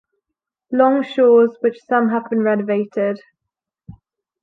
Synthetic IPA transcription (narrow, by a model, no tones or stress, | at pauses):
lɒ̃ŋʃɔːzwɪt͡ʃsʌ̃mɦəvbĩnɹɛnəveɪtʰɪd̥